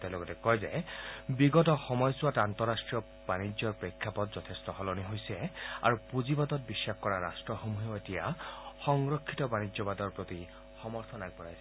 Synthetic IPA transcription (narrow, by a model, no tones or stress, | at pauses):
tɛlɔɡɔtɛkɔjzɛbiɡɔtɔxɔmɔjsuatantɔɹastɹiɔ | b̥anid͡ʒzjɔɹpɹekʰːapɔtzɔt̪ʰestɔhɔlɔniɦojsɛa̰ɹupuzibad̪ɔt̚bisːakʰkɔɹaɹastɹɔxomuɦeetija̰xɔŋɹɔkʰːitɔbanizɔbadɔɹpɹot̪i | xɔmɔɹt̪ʰɔnaɡ̚bɔɹajsɛ